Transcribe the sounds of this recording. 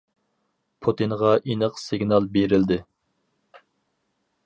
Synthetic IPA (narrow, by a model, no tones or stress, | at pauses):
pʰut̪ʰɨnʁɑʔinəqsɪɡʲnɑlˠbeɾɪld̪ɪ